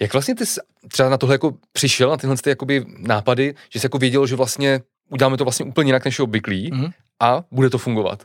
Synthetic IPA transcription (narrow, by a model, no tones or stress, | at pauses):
jakvlast̪ɲɛt̪ɪs | t̪r̥ɛbanat̪oɦlɛjakopr̥ɪʃɛlnat̪ɪɦlɛnst̪ɛjako̞bɪnaːpadɪʒ̥ɛsɛjako̞vjɛɟɛloʒɛvlast̪ɲɛ | ʔuɟɛlaːmɛt̪ovlastɲɛʔuːpl̩ɲɛjɪnaknɛʃjɛobvɪkliː | ʔabudɛt̪o̞fuŋɡova̰t̪